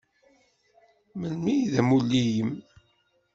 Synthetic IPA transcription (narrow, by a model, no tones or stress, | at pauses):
mənmijðæmulːijəm